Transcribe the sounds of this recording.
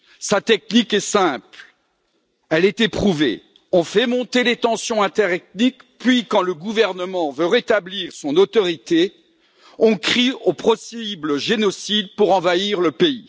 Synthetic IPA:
sat̪ɛk̚nikɛsɛ̃pl | ɛlɛt̪epχuvḛ | ɔ̃fɛmɔ̃t̪elet̪ɑ̃sjɔ̃ɛ̃t̪ɛʁɛt̪nikpɥikɑ̃ləɡuvɛʁnəmɑ̃vøʁet̪abliʁsɔ̃not̪ɔʁit̪e | ɔ̃kχiopχɔsibləʒenɔsid̪̚puʁɑ̃vaiʁləpei

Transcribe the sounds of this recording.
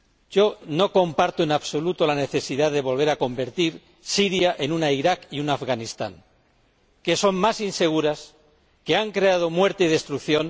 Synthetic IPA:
ɟ͡ʝo̞no̞ko̞mpaɾt̪oenaβso̞lut̪o̞lane̞θe̞siðaððe̞β̞o̞lβ̞e̞ɾako̞mbe̞ɾt̪iɾ | siɾjaʔe̞nunaiɾakiunafɣanist̪a̰ŋ | ke̞so̞mmasinse̞ɣ̞uɾas | ke̞aŋkɾe̞að̞o̞mwe̞ɾt̪e̞iðe̞st̪ɾukθjo̞n

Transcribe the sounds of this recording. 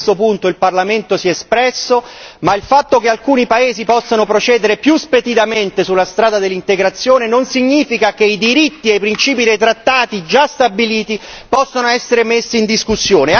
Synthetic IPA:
t̪opunt̪oilparlament̪osiɛspɾɛsːomailfat̪ːokealkuːnipaeːzipɔsːanopɾot͡ʃɛːd̪eɾepjuspet̪id̪ament̪esulːast̪ɾaːd̪ad̪elːint̪eɡɾat̪sːjoːnenonsiɲːiːfikakeid̪iɾit̪ːiejpɾint͡ʃiːpid̪ejt̪ɾat̪ːaːt̪id͡ʒast̪abiliːt̪ipɔsːonoɛsːeɾemesːiːnd̪iskusːjoːne

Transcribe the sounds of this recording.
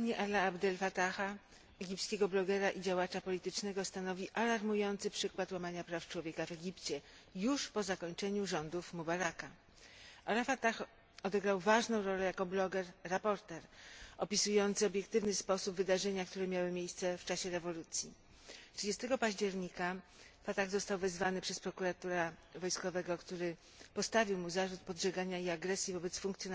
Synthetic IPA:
aɲɛʔalːaabd̪ɛlfat̪axa | ɛɡʲipt̪skʲeɡɔblɔɡɛɾaʔid͡ʑawat͡ʂapɔlʲit̪ɘt͡ʂnɛɡɔst̪anɔvʲiʔalaɾmujɔnt̪sɘpʂɘkwat̪wamaɲapɾaft͡ʂwɔvʲjekavɛɡʲipt͡ɕɛjuʂpɔzakɔɲt͡ʂɛɲuʐɔnd̪ufmubaɾaka | ʔalafat̪ax | ɔd̪ɛɡɾawvaʐnɔ̃w̃ɾɔlɛjakɔblɔɡɛɾːapɔɾt̪ɛɾɔpʲisujɔnt̪sɘɔbʲjɛkt̪ɘvnɘspɔsubvɘd̪aʐɛɲakt̪uɾɛmʲjawɘmʲjejst̪sɛft͡ʂaɕɛɾɛvɔlut̪sʲji | tʂɘd͡ʑɛst̪ɛɡɔpaʑd͡ʑɛɾɲika | fat̪aɣzɔst̪awvɛzvanɘpʂɛspɾɔkuɾat̪uɾavɔjskɔvɛɡɔkt̪uɾɘ | pɔst̪avʲiwmuzaʐut̪̚pɔdʐɛɡaɲaiaɡɾɛsʲjivɔbɛt̪sfuŋkt̪sʲjɔn

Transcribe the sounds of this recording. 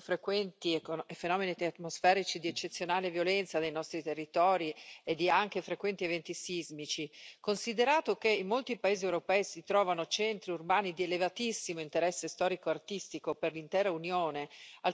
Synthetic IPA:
fɾekwɛnt̪iefenɔːmenit̪t̪mosfɛːɾit͡ʃid̪iet͡ʃːet̪sːjonaːlevjolɛnt̪sad̪ejnɔst̪ɾit̪erːit̪ɔːɾied̪ːiaŋk̟efɾekwɛnt̪ievɛnt̪isizmit͡ʃikonsid̪eɾaːt̪okeimːolt̪ipaeːziewɾopɛːisit̪ɾɔːvanot͡ʃɛnt̪ɾiurbaːnid̪ielevat̪isːimoint̪eɾɛsːest̪ɔːɾikoart̪ist̪ikoperlint̪ɛːɾaunjoːnea

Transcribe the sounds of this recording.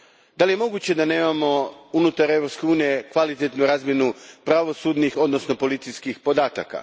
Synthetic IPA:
d̪alije̞mo̞ɡut͡ɕe̞d̪ane̞ːmamo̞unut̪aɾe̞vɾo̞pske̞uːnije̞kʋalit̪et̪nuɾaːzmje̞nupɾaʋo̞sud̪nixo̞d̪no̞sno̞po̞lit̪siskixpo̞d̪aːt̪a̰ka̰

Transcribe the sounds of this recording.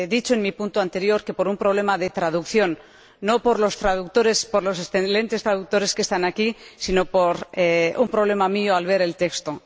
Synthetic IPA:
ðit͡ʃoe̞nmipũnt̪oant̪e̞ɾjo̞ɾke̞po̞ɾumpɾo̞β̞le̞maðe̞t̪ɾað̞ukθjo̞nː | o̞po̞ɾlo̞st̪ɾaðuk̚t̪oɾe̞spoɾlo̞se̞st̪enle̞nt̪e̞st̪ɾaðuk̚t̪o̞ɾe̞skest̪anakisino̞poɾeumpɾo̞β̞le̞mamioalβe̞ɾe̞lt̪e̞kst̪o

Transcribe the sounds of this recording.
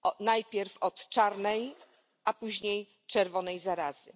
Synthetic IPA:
ɔnajpʲjɛɾfɔt̪t͡ʂaɾnɛj | ʔapuʑɲej | t͡ʂɛɾvɔnɛjzaɾaz̥ɘ̰

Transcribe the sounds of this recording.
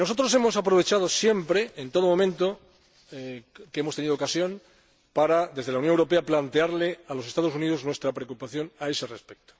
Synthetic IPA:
no̞so̞t̪ɾo̞s̬e̞mo̞sapɾo̞β̞e̞t͡ʃaðo̞sje̞mpɾe̞ːnt̪o̞ð̞omo̞mẽnt̪o | keemost̪eniðookasjõ̞n | paɾad̪e̞zð̞eaunjoŋewɾo̞pe̞aplant̪eaɾlealo̞se̞st̪aðo̞s̬uniðo̞znwe̞st̪ɾapɾeokupaθjo̞nae̞se̞respek̚t̪o̥

